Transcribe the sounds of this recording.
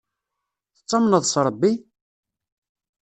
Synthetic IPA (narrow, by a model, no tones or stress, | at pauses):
θət͡sˤːɑmnəðˤsɾˤəbːi